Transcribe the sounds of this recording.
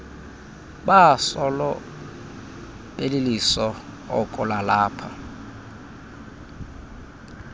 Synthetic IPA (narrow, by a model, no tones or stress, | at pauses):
basɔlɔ | belɪlisɔ | ɔ̰kʼʊlalaːpʰa